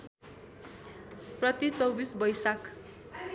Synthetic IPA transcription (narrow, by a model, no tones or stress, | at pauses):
prʌt̪it͡sʌwbisbʌjsak